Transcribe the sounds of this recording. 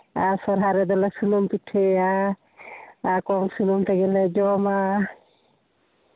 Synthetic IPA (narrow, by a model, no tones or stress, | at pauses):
asɔɾɦaɾɛd̪ɔlesulumpiʈʰːea | kɔŋsulumt̪eɡɛled͡ʒɔma